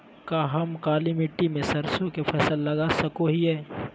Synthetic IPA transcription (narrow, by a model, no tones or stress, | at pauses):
kaɦɐmkaːlimɪʈːimẽsɐɾsõkepʰɐsəlːɐɡasɐkoɦiɦɛː